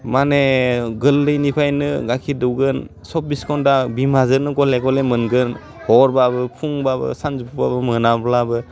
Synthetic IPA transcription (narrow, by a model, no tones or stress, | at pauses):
maneɡɯlːɯjnipʰajnɯɡakʰidɯwɡɯnsɔp̚biskʰɔndabimazɯɾnɯɡɔleɡɔlemɯnɡɯn | hɔɾbabɯpʰuŋbabɯ̰sanzupʰubabɯmɯnablabɯ